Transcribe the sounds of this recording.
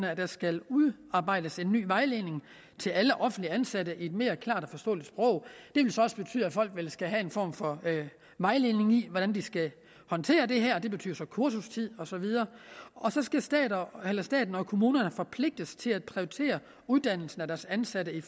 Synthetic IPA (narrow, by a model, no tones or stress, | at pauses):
nəæd̥æ̈sɡ̥æluðˠ | ɑ̈ːb̥ɑ̈ɪ̰d̥əse̝nːy̰ːʋɑ̈ɪle̝ne̝ŋ | t͡sʰe̝læləʔɒ̽fn̩̥liænsæɾəʔie̝d̥me̝ːɐkʰlɑ̰̈ːd̥ɒfɒ̽sd̥ɔ̰̽ːlid̥sb̥ʁɔ̽ʊ̰d̥e̝ʋe̝lsɒ̽ɒ̽sə̥b̥e̝t͡sʰy̰ð̰ˠæfɒ̽l̰ɡ̥ʋelsɡ̥æɦæe̝nfɒ̰ːmfɒ̽ | ʋɑ̈ɪle̝ːne̝ŋiʋɒd̥ænd̥isɡ̥æ | hɒ̽nt͡sʰe̝̰ːɐd̥e̝ɦæɐd̥e̝b̥e̝t͡sʰy̰ːɐsɒ̽kʰuɐsust͡sʰið̞̰ˠɒ̽sɒ̽ʋið̞ˠɐːʔɒ̽sɒ̽sɡ̥æsd̥ɛːdelɐsd̥ɛ̰ːd̥n̩ɒ̽kʰo̝muːnɐnəfɒ̽pʰle̝ɡ̥̚d̥əst͡sʰe̝læd̥̚pʰʁioit͡sʰe̝̰ːɐ | uðˠd̥æn̰l̩sn̩æd̥æɐsænsæɾəi